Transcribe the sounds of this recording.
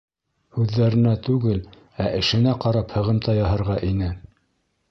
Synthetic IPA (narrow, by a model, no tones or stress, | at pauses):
hʉðːæɾɘ̆næt̪ʉɡɘl | æʔɘ̆ʃɘ̆næqɑɾɑphɤ̆ʁɤ̆mt̪ɑjɑɦɤ̆ɾʁɑʔinɘ